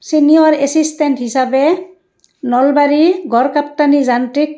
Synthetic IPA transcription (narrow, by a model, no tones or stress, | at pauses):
sinijɔɹɛsistɛnthisabɛ | nɔlbaɹiɡɔɹkap̚tanizantɹik̚